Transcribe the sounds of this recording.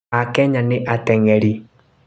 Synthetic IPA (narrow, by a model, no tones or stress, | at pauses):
akɛɲaneʔatɛŋɛɾi